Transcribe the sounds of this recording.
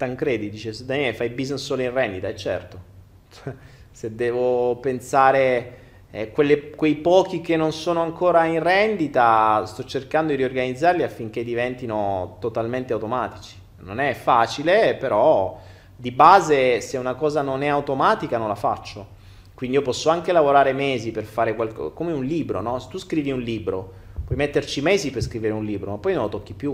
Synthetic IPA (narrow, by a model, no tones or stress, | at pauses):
t̪aŋkɾeːd̪id̪iːt͡ʃesed̪anɛlefajbiznesːoːloinrɛnd̪it̪aɛt͡ʃːɛ̰rt̪o | sed̪ːɛːvopensaːɾe | kwelːekwejpɔːk̟ikenːonsoːnoaŋkoːɾainrɛnd̪it̪ast̪ɔt͡ʃːerkand̪od̪iɾiorɡanid̪zːarliafːiŋk̟ed̪ːivɛnt̪inot̪ot̪alment̪eawt̪omaːt̪it͡ʃi̥ | no̰nɛfaːt͡ʃilepeɾɔ | d̪ibaːzeseunakɔːzanonɛawt̪omaːt̪ikanõnlafa̰t͡ʃːo | kwindiiopɔsːoaŋk̟elavoɾaːɾemɛːziperfaːɾekwalkɔ̰komeunliːbɾo̰nɔse̥t̪ːuskɾiːviunliːbɾo | pwɔjmet̪ːert͡ʃimɛːziperskɾiveɾeunliːbɾomapːɔjnõnlot̪okːipju